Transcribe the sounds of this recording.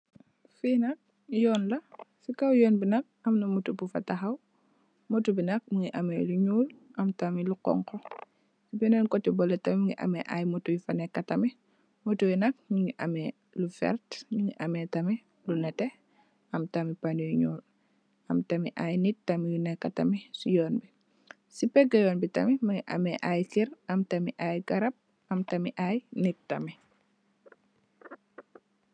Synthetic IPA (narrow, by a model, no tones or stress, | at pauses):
finɐk̚ | jɔːnlɐsikawjɔːnbinɐk̚ɐmnɐmutubufɐ̰taxɐw | motubinɐk̚miŋiʔɐmḛluɲuːlʔɐmtamilukɔ̰ŋkɔ | sibinɛnkɔtːɛbɔlɛtɐmimiŋḭʔɐ̰mɛʔa̰jmotujfanɛkːɐtɐmi | motubinɐk̚miŋiʔɐ̰mɛ | lufɛ̰ɾtɲuŋiʔɐmɛtɐmi | lunɛtɛ | ɐmtɐmipanijuɲɔːl | ɐmtɐmḭʔaːjnit̚tɐmijunɛkːɐtɐmisujɔːnbi | sipɛɡɐjɔːnbitɐ̰mimɐŋḭʔɐ̰mɛʔaːjkiɾɐmtɐmiʔaːjɡɐɾɐp̚ | ɐmtɐmiʔajnik̚tːɐmi